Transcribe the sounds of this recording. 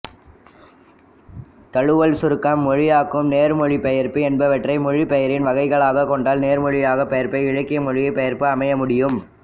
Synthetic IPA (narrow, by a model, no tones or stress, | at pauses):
t̪ɐɻɯʋɐlsʊɾɯkːɐmːɔɻɪjaːkːɯmneːɾmɔɻipɐjɐɾpɯɛnbɐʋɐʈrɐɪmɔɻipɛjɐɾɪnʋɐɣɐɪɣɐɭaːɣɐkɔɳɖaːlneːɾmɔɻɪjaːɣɐpːɛjɐɾpɐɪɪɻɐkːɪjɐmɔɻɪjɐɪpːɐjɐɾpɯɐmɐjɐmʊɽɪjɯm